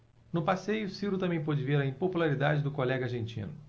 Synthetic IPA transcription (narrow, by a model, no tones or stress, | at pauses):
nʊpasejʊsiɾʊt̪ɐ̃bẽj̃pod͡ʒɪveɾɐĩpopulaɾid̪ad͡ʒɪd̪ʊkolɛɡɐaɾʒẽnt͡ʃḭ̃nʊ